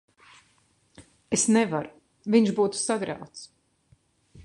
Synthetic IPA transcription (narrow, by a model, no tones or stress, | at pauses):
esnɛvaɾ | viɲʃbuːt̪u̥saɡɾa̰wt̪s